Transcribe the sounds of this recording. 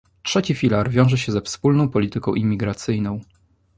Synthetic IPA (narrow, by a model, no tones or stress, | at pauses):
tʂɛt͡ɕifʲilaɾvʲjɔ̃w̃ʐɛɕɛzɛfspulnɔ̃w̃pɔlʲit̪ɘkɔ̃w̃ʔimʲːiɡɾat̪sɘjnɔ̃w̃